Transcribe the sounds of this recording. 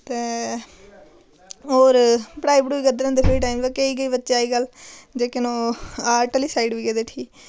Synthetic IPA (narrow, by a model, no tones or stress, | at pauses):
t̪eː | oːɾpɽaːiːbɽuːʋiːɡəd̪ɾə̃nd̪epʰɾiːʈaːimbakeiːɡəiːbətːʃaːiːɡəld͡ʒeːkɪnoːaːɾʈəliːsaːiɖʋiːɡɛd̪eːʈʰiː